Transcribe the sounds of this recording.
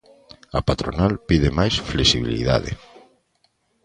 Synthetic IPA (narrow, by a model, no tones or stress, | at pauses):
apat̪ɾonalpiðemajsflesiβilḭða̰ðḛ